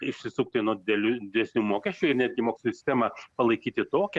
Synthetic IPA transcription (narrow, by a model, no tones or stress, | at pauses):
ɪʃʲsʲɪsʊːk̚t̪ɪnuɔd̪ʲɪd̪ʲɛlʲud̪ʲɪd̪ʲɛsʲnʲuːmoːkʲɛʃʲt͡ʃʲuːɪɾnʲæːd̪ʲɡʲɪmoːksʲlʲːsʲɪsʲt̪ʲæmɐpɐlˠɐɪkʲiːt̪ʲɪt̪oːkʲɛ